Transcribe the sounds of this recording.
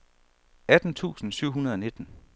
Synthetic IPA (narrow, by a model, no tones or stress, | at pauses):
æd̥n̩t͡sʰṵːsn̩syʊ̰ɦunɐð̞ˠɒ̽ne̝d̥n̩